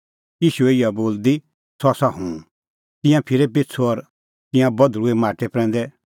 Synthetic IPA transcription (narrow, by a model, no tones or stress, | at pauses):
jiːʃueɪijaboːld̪i | sɔsaɦũː | t̪ɪ̃jãpʰɪɾepɪtt͡sʰoɔɾ | t̪ɪ̃jãbɐd̪ɾuemaːʈepɾɛ̃ːnd̪ɛ